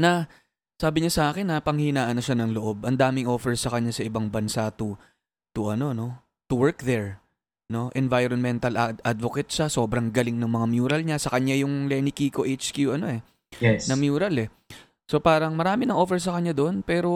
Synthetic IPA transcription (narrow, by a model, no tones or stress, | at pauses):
nɐ | saːbɪɲasɐʔaːkɪnːɐpɐŋhinaːʔɐnoʃanɐŋloʔo̞bʔɐnd̪aːmɪŋʔo̞ːfɛɹsɐkɐɲːasɐʔɪbaŋbɐnsat̪ʊ | t̪ʊʔɐno̞no̞ | t̪ʊwɛɹkðɛɹ | no̞ʔɛnvajɾonmɛnt̪ɐlʔad̪vokɛt̪ʃaso̞ːbɾɐŋɡɐlɪŋnɐŋmɐŋamjuːɾɐlɲasɐkɐɲːajʊŋlɛːnɪkiːkoʔejt͡ʃkjuʔɐno̞ʔɛ | jɛsnɐmjuːɾɐlɛ | so̞paːɾɐŋmɐɾaːmɪnɐŋʔo̞ːfɛɹs̬ɐkɐɲɲad̪oʔonpɛːɾo̞